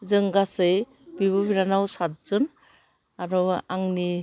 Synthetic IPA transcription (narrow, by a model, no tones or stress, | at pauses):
zɯŋɡasɯj | biβɯbiɾanawsat̚zɯn | aɾɔaŋni